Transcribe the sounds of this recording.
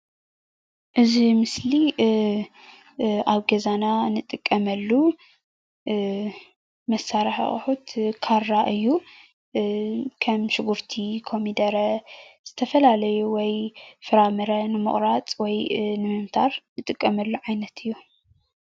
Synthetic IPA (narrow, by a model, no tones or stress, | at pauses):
ʔɨzimɨsli | aβɡɐzananɨt̪ʼɨkʼːɐmɐlːu | mɐsːaɾɐħχʼħut̪kʰarːaʔɨjːu | kʰɐmʃɨɡuɾt̪ʰikʰo̞mid̪ɐɾɐz̥ɨt̪ʰɐfɐlalɐjuwɔjfɨɾamɨɾɐnɨmɨ̰χʼɾat͡sʼwɔjnɨmɨmt̪ʰaɾnɨt̪ʼɨkʼːɐmɐlːuʕajnɐt̪ʰɨjːu